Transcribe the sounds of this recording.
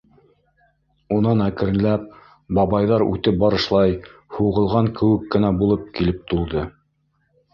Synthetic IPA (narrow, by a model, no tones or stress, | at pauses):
unɑnækɘ̆ɾɘ̆læp̚ | bɑβɑjðɑɾʉ̰t̪ɘp̚bɑɾɤ̆ʃlˠɑjhuʁɤ̆lˠʁɑŋkɘ̆wɘkːɘ̆næbulˠɤp̚kilɘp̚t̪ulˠd̪ɤ